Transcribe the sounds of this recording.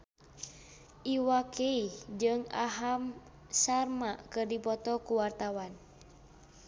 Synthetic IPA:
ʔiwakʰeihd͡ʒɨŋa̰ɦam | sarmaʔkɨrdipɔt̪ɔkuwart̪awan

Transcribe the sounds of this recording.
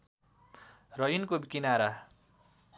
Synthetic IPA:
rʌjinkobikinaɾa

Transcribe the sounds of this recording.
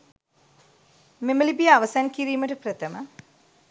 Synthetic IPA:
meməlibijəaʋɐsaŋkiɾiːməʈəpɾət̪əmə̰

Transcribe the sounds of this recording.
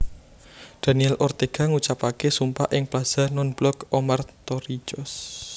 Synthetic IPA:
d̪̥a̤niɛlʔɔrt̪eɡ̥a̤ŋut͡ʃapakesumpa̰ʔɪŋplaz̥anɔnb̥lɔkɔmart̪ɔɾit͡ʃɔs

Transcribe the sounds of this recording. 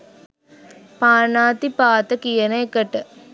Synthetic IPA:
paːnaːt̪ipaːt̪əkijənəekəʈə

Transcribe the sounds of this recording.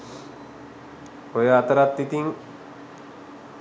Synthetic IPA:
ojəat̪əɾat̪ːit̪iŋ

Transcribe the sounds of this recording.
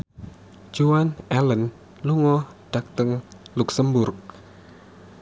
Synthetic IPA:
d͡ʒoanɛlən | luŋɔ | ɖ̥ak̚t̪əŋluksəmbʊrk̚

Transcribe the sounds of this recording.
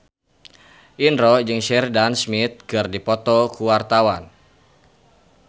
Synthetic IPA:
ʔinɾɔd͡ʒɨŋʃɛrdansmit̪̚kɨrdipɔt̪ɔkuwart̪awan

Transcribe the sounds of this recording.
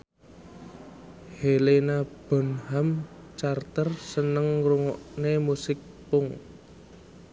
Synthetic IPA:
helenab̥ɔ̤nhamt͡ʃart̪ərsənəŋruŋɔʔnemusɪk̚pʊŋ

